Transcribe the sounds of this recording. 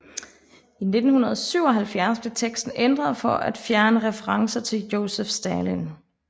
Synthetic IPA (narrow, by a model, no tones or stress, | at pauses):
ine̝d̥n̩hunɐð̞̩ˠsyʊ̰ɒ̽ɦælfjæɐsb̥le̝t͡sʰeɡ̥sd̥n̩end̥ʁɐðˠfɒæd̥fjæɐnəʁɛfəʁɑ̈ŋsɐt͡sʰe̝ljo̝ʊsefsd̥ælin